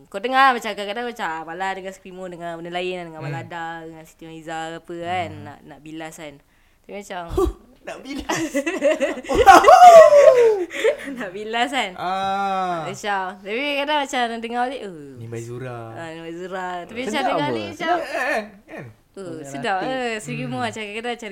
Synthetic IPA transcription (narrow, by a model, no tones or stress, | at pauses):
kot̪əŋalmat͡ʃakakadaŋmat͡ʃabaladəŋaskɾimudəŋabənəlajənandəŋabaladadəŋansi̥t̪imaizaapəanːa̰ʔnaʔbilasan | t̪apimat͡ʃam | nabila | naʔbilasana | ət͡ʃamt̪apikakadaŋmat͡ʃadəŋaliʔənimazuɾaanimazuɾat̪apimat͡ʃamdəŋanimat͡ʃam | kan | əsədapəsiɡimuat͡ʃaŋkakadaat͡ʃa